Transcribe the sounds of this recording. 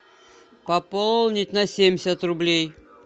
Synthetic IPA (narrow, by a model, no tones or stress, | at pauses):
pɐpollˠnʲɪtʲnɐsʲemʲsʲət̪rʊblʲej